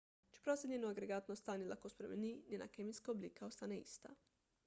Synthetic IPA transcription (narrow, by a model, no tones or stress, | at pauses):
t͡ʃi̥pɾosʲed̪nɲenoaɡɾeɡaːt̪nost̪aːnelakospɾemḛninʲena̰kemiskaobliːkaost̪aneḭst̪a̰